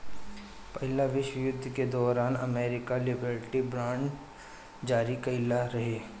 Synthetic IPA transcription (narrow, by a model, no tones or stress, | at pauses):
pɐɦɪlaʋɪʃwəjʊd̪ʱːked̪ɔːɾaːnɐmeːɾɪkalɪbəɾʈibɾãːɳɖ | d͡ʒaːɾikɐɪlaɾɐɦeː